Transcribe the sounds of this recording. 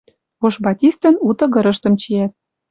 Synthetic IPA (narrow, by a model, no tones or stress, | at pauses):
oʃbɑtʲist̪ə̆nut̪ɤ̆ɣɤ̆ɾɤ̆ʃt̪ɤ̆mt͡ɕijæt̪̚